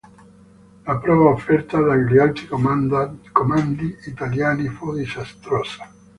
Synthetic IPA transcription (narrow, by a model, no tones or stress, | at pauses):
lapɾɔːvaofːɛrt̪ad̪ajɾialt̪ɾi | komand̪iːt̪aljaːnifod̪isast̪ɾɔsḁ